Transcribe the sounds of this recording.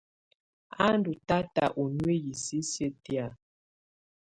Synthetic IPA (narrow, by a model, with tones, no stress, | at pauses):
a˦ndu˨ta˦ta̰˨ʔo˨nwe˦ji˨si˦se˦ti˦a˨